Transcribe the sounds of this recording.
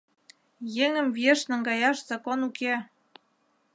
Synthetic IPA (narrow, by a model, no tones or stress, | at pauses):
jeŋə̆mvjeʃnə̆ŋɡɑjɑʃz̥ɑkonuke